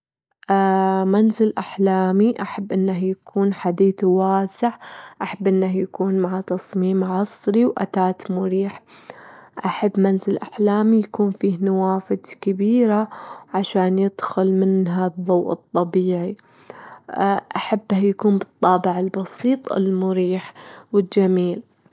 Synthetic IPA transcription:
ʔmanzɪlʔaħlaːmiʔaħabːʔɪnːahjakʰuːnħad̪iːθwaːsɪʕʔaħabːʔɪnːahjakuːnmaʕat̪ɑsˤmiːmʕɑsˤɾiwʔa̰t̪aːt̪mʊɾiːħ | ʔaħabːmanzɪlʔaħlaːmijakuːnfiːhnawaːfɪd̪kɪbiːɾaʕaʃaːnjɪd̪̥xʊlmɪnɦaðˤːowːʔɨt̪ˤːɑbiːʕi | ʔaħabːjakuːmbɨt̪ˤːɑːbɪʕɪlbɑsiːt̪ˤɪ̰lmʊɾiːħwɪd͡ʒːamiːl

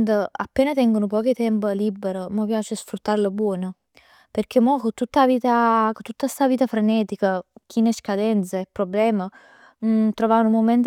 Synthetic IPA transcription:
nd̪əa̰pːɛːnət̪ɛŋɡunupɔːkit̪ɛmpəlibːəɾəməpjaːt͡ʃəsfɾut̪ːaɾləbwɔːnə | perk̟emɔkot̪ːut̪ːaviːt̪akt̪ːut̪ːast̪aviːt̪afɾenɛːt̪ikək̟ʰinɛskad̪ɛnt̪səepːɾoblɛːmə | t̪ɾovanumːomɛnt̪

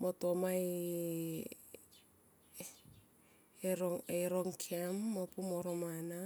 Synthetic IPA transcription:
motomaj | eɾoejɾoŋkʰemːopumoɾomana

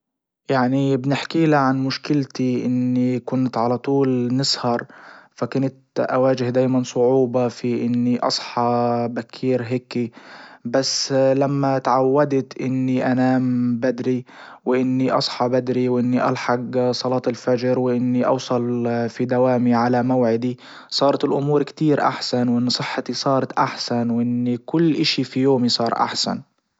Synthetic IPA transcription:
jaʕnibnɪħkiːlaʕanmʊʃkɪlt̪iʔɪnːikʊnt̪ʕalat̪ˤuːlnɪshɑɾˤfakʊnat̪ʔa̰waːd͡ʒɪhd̪aːjmansˤʊʕuːbɑfiʔɪnːiʔɑ̰sˤħɑbakʰːiːɾɦeːkibasːlamːat̪ʕawːad̪t̪ʔɪnːiʔanaːmbad̪ɾi | wɪʔɪnːiʔɑsˤħɑbad̪ɾiwʔɪnːiʔɑ̰lħɑɡsˤɑlɑːt̪ɪlfad͡ʒɾwɪʔɪnːiʔɑ̰wsˤɑlfid̪awaːmiʕalamawʕɪd̪i | sˤɑːɾˤɑt̪ɪlʔʊmuːɾkt̪iːɾʔa̰ħsanwʔɪnːsˤɨħːat̪isˤɑːɾˤɑt̪ʔaħsanwʔɪnːikʊlːʔɪʃifijoːmisˤɑːɾˤʔa̰ħsa̰n

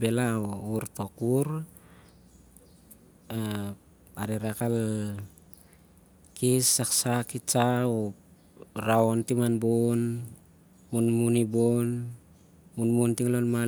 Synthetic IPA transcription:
belaouɾtokuɾ | a | aɾiɾakal | kisːaksakit͡ʃao | ɾaontimanbon | munmunibon | munmuntiŋlonma

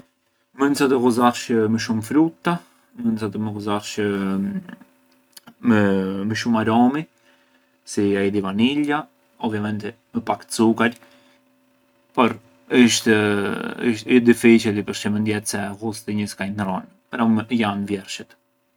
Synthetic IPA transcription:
mənsat̪əɣuzaʃəməʃumfɾut̪ːa | mənsat̪əməɣuzaɾʃə | məməʃumaɾɔmi | siaɛd̪ivanila | ɔbvjamɛnt̪ɛ | məpak̪t͡sukal | pɔɾ | əʃt̪ | ʃd̪ifit͡ʃɛt̪ipəɾʃɛmənd̪jɛt̪sɛɣust̪ɛɲəskainɾɔn | pəɾamjanvjɛɾʃɛt̪

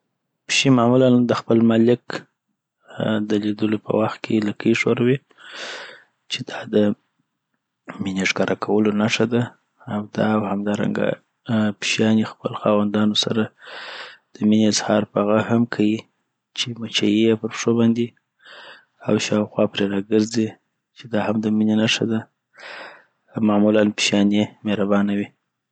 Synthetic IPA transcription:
pʃimɑmuland̪əxpəlmalɪk | d̪əlid̪əlopʰə̰waxt̪̚kʰelakaiʂoɾawi | t͡ʃe̥d̪ɑd̪ə | mineʒɡɑɾʔakʰawəlonaʂad̪aː | wd̪ɑwhamd̪ɑɾa̰ŋɡa̰ | pʃjɑnixpəloxɑwand̪ɑnosaɾa | d̪̥əmineazhɑɾpəɣahamkʰaji | t͡ʃemat͡ʃajijepəɾpʂobɑnd̪e | awʃɑwxwɑpɾeɾɑɡəɾzi | t͡ʃed̪ɑhamd̪əminenaʂa̰d̪a | mɑmulanpʃjɑnemeɾabɑnawi

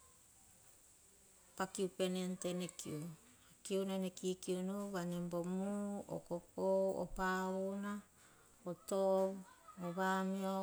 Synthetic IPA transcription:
pakiupenentenekʰḭu | akiunanekikiunuβanembomuo̰kopoo̰pauna | oto | oβamio

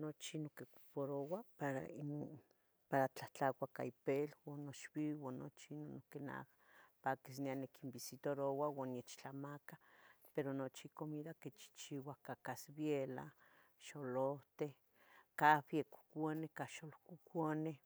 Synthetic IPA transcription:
not͡ʃinokeku̥poɾowapaɾa̰ino | paɾat͡ɬat͡ɬakʷaka̰ipelwanoʃbiwano̰t͡ʃinonokena̰ | pakis̬nianekimbisit̪oɾowawanjet͡ʃt͡ɬamakapeɾonot͡ʃikomiðaket͡ʃi̥t͡ʃiwakakasbjela̰ | ʃoloht̪e | kafjeku̥kʷonekaʃolokukone

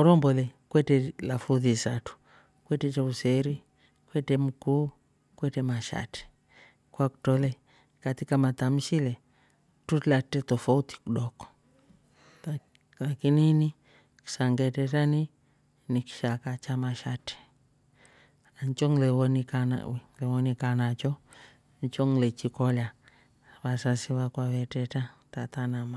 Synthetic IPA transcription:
ɔɾɔmbɔlɛkwɛtɛlafuðisatu̥ | kwɛtɛt͡ʃausɛɾi | kwɛtɛm̩ku | kwɛtɛmaʃa̰tɛ̥ | kwaku̥tɔlɛ | katikamat̪amiʃilɛ | tutlatɛtɔfauti̥kuɗɔkɔ̥ | kakinini | ki̥saŋɡetɛtani | nikʃakat͡ʃamaʃati̥ | ant͡ʃɔŋlewonikana̰wlewonikanat͡ʃɔ | ɲt͡ʃɔŋlet͡ʃikɔla | basasiβakwawɛtɛtatatanama

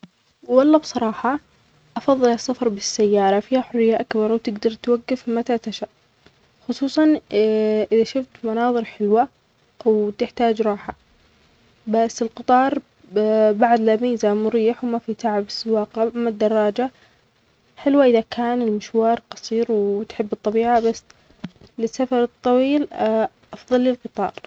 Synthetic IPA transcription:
wɑlˤːɑbsˤɑɾˤɑːħɑ | ʔɑfɑðˤːɨlɑsːafɑɾˤbɪsːajːɑːɾˤɑfiːhaħʊrːɪjːaʔakbɑɾˤwt̪ɪɡd̪ɑɾˤt̪waɡːafmat̪at̪aʃaʔ | xʊsˤuːsˤɑn | ʔɪðaʃʊft̪mɑnɑːðˤɨɾħɪlwa | wt̪ɪħt̪aːd͡ʒɾˤɑːħa | basːɪlqɨt̪ˤɑːɾˤ | baʕd̪lamiːzamʊɾiːħwmafit̪aʕabsɪwaːqaamad̪ːɑrˤːɑːd͡ʒa | ħɪlwaʔɪðakʰaːnɪlmɪʃwɑːɾˤqɑsˤiːɾwt̪ħɪbːɨt̪ˤːɑbiːʕabasː | lɪsːafɑɾˤɨt̪ˤːɑwiːl | ʔɑfðˤɑlːɪlqɨt̪ˤɑ̰ːɾˤ

